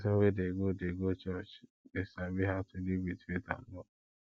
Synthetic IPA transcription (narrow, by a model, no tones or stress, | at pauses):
sawedeɡodeɡot͡ʃɔt͡ʃ | besabiɦatʊlibiteta̰n̩lɔ